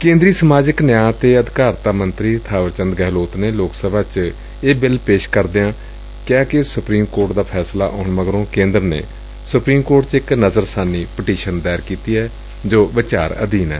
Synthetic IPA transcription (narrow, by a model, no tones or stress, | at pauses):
kẽːnd̪ɾiːsəmaːd͡ʒɪknjaːt̪eːəd̪ɪkaːɾt̪aːmənt̪ɾiːt̪ʰaːʋəɾt͡ʃənd̪ɡɛːloːt̪neːloːksəbʱaːt͡ʃ | eːbɪlpeːʃkəɾd̪eãː | kɛːkɪsʊpɾiːmkoːɾʈd̪aːpʰɛːsla̰ːʔɔːɳməɡɾõːkẽːnd̪əɾnḛː | sʊpɾiːmkoːɾʈt͡ʃɪknəzəɾsaːnːiːpəʈiːʃənd̪ɛːɾkiːt̪iːɛː | d͡ʒoːʋɪt͡ʃaːɾə̰d̪iːnɛ̰ː